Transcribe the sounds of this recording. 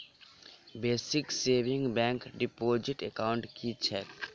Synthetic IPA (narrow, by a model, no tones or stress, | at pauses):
beːsikseːbɪ̃ŋɡbɛ̃ŋkɖipod͡ʒiʈekaʊ̃ɳʈkit͡ʃʰɛ